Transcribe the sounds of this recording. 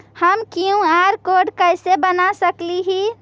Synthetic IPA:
həmkiũaɾkoɖkəjsebənasəkliɦi

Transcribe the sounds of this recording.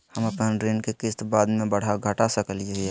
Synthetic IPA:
həməpnanɾenkekɪst̪baːd̪mẽbəɽ̤aɡʱəʈasəkəlid͡ʒaɦie

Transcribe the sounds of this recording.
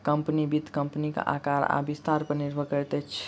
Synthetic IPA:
kəmpnibid̪ʱkəmpnikḛʔa̰kaɾa̰bist̪aɾpəniɾbʱəkəɾt̪ɛt͡ʃʰ

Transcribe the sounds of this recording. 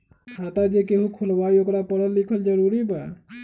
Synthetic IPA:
at̪ad͡ʒekeɦũkʰulbaiokɾapəɾənlikʰəld͡ʒəɾuɾiba

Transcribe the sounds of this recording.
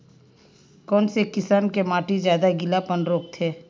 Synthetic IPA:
kɔːnsekːɪsaːnkemaːʈizjaːd̪aɡɪlapənɾoːk̚t̪ʰeː

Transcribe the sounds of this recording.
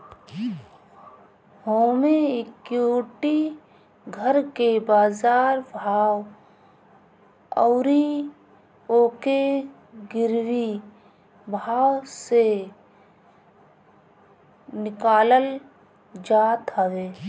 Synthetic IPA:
hoːmeɪkjoːʈi | ɡʱəɾkebaːzaːɾbʱaːw | ɔːɾi | oːke | ɡɪɾwi | bʱaːwse | nɪkaːləl | d͡ʒaːt̪ɦəʋeː

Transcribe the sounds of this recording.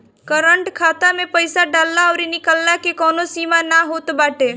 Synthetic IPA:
kəɾəɳʈkʰaːt̪amẽpəɪsaɖaːlːaɔːɾinɪkəlːakekɔːnosiːmanaɦoːt̪baːʈeː

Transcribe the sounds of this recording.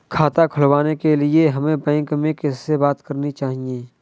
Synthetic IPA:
kʰaːt̪akʰʊlwaːnekelieɦɐmẽbɛ̃ːŋkmẽkɪsːebaːt̪kɐɾnit͡ʃaːɦieː

